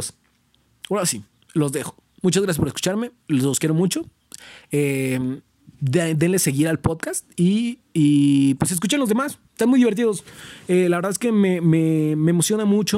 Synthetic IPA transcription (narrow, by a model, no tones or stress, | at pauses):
s | oɾasi | lo̞zðexo̥ | mut͡ʃazɣɾasjaspoesku̥t͡ʃaɾme̞llo̞skje̞ɾo̞mut͡ʃo̞ | em | d̪enlese̞ɣiɾalpoðkast̪iː | pwe̞s̬e̞s̬kut͡ʃenlo̞zðemase̥st̪anmujðiβeɾt̪̬iðo̞selaβɾðaðeskemememeːmo̞sjonamut͡ʃo